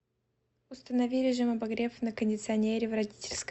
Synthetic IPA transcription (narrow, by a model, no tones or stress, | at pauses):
ʊst̪ənɐvʲilʲɪʐɨmɐbɐɡɾʲe̞fnəkənʲdʲɪt̪sɨɐnʲeɾʲɪvrɐdʲitʲɪlʲsk